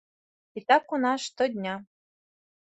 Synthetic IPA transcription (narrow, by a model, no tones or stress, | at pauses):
it̪ʲɑkunɑʂt̪ŏd̪ʲnʲɑ